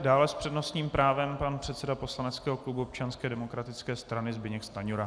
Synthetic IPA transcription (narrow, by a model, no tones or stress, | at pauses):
daːlɛspr̥ɛdno̞st̪ɲiːmpɾaːvɛmpanpr̝̥ɛt̪sɛdapo̞slanɛt͡skɛːɦo̞klubuop̚t͡ʃanskɛːdɛmo̞kɾat̪ɪt͡skɛːst̪ɾanɪzbɪɲɛkst̪aɲuɾa